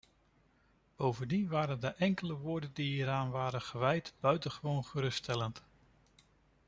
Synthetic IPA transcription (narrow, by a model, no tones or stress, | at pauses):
b̥owvəndinʋaːɾəndəʔɛŋkələʋʊːɹdəndiiːɾaːnʋaːɾənχəʋɛjtb̥œɥtəχəʋownχəɾɵstɛlənt